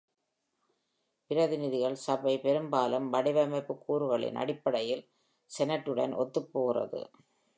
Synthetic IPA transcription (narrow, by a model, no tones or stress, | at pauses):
pɪɾɐðɪnɪðɪɣɐɭsɐbɐɪpɛɾɯmbaːlɐmʋɐɽɪʋɐmɐɪpːɯkːuːɾɯɣɐɭɪ̰nʔɐ̰ɽɪpːɐɽɐjɪl | sɛnɐʈːɯɽɐ̰nʔɔ̰t̪ːɯpːoːɣɪrɐ̰ðɯ̰